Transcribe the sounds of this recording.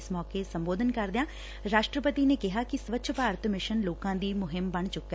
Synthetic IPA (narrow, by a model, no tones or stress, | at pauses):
smɔːkesəmboːd̪ʱənkəɾd̪eãː | ɾaːʃʈɾəpət̪iːneːkɪɦaːkɪsʋətːʃʰəpaːɾt̪mɪʃənloːkãːd̪iːmʊɦɪmbəɳt͡ʃʊkːɛ